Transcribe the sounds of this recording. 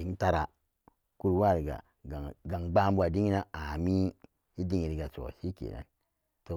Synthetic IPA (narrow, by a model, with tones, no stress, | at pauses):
i˨ŋ˦ta˦ɾa˨ | ku˦ɾwa˦˨ɾi˨ɡa̰˨ | ɡa˨ɡa˨ŋɡ͡ba˦mbu˦a˨di˦ŋi˦na˦a˨mi˦ | i˦di˦ŋi˨ɾi˨ɡa˨t͡ʃo̰˨si˦kḛ˨na̰˦n | to˨